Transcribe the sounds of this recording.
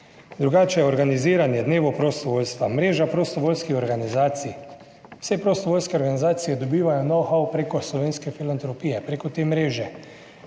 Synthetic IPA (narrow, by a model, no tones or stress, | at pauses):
d̪ɾuɡaːt͡ʃɛjɛɔɾɡaniziːɾanjɛd̪neːʋɔpɾɔst̪ɔʋoːlst̪ʋamɾeːʒapɾost̪ɔʋoːlskixɔɾɡanizaːt̪si | w̥sɛpɾost̪ɔʋoːlʲskɛɔɾɡanizaːt̪sijɛd̪ɔbiːʋajɔnɔwxawpɾekɔslɔʋeːnskɛfilant̪ɾɔpiːjɛpɾekɔt̪eːmɾeːʒɛ